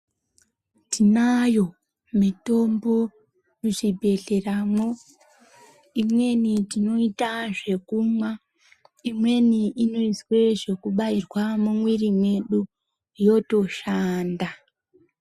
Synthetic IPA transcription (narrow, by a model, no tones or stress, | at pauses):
tinajo̞ | mito̞mbo̞ | ruʐibʱe̞ɮeramo | imwe̞nitino̞itaʐe̞kumwa | imwe̞niʔino̞iswe̞ʐe̞kuɓairwamumwirimwe̞ɗu | jo̞to̞ʃaːnda